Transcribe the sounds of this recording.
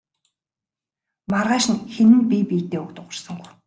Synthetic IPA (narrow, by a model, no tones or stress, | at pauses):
marʁaːʃɪ̆nxenɘ̆npʲipiːt̪eːʊkt̪ʊʁə̆rsə̆ŋɡuw